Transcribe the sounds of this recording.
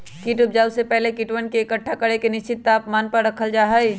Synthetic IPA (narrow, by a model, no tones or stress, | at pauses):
kiʈʊp̚d͡ʒaːwsepɛɦlekiʈwənkeːkəʈʰːakɐɽekenɪʃt͡ʃɪt̪ːaːpmaːnpɐɾɾɐkʰəld͡ʒaːɦəj